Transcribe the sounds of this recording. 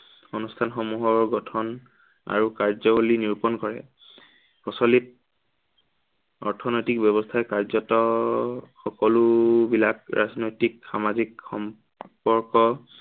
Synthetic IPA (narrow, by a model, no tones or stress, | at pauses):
onustʰanxɔmuɦɔɹɡɔtʰɔn | a̰ɹukaɹzɔɦuliniɹupɔnkɔɹɛ̰ | pɔsɔlit̚ | ɔɹtʰɔnojtikbjɔβɔstʰaɛkaɹzɔtɔ | xɔkɔlubilakɹa̰znojtikxamazikxɔm | pɔɹkɔ